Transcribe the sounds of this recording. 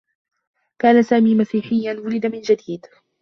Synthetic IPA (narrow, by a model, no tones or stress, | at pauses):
kaːnasaːmiːmasiːħɪjːanwʊlɪd̪amɪnd͡ʒad̪iːd̪